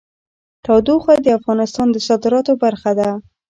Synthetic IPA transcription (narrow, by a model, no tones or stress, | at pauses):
t̪ɑwd̪uxwad̪əafɣɑnɪst̪ɑnd̪əsɑd̪ɪɾɑt̪obaɾxad̪a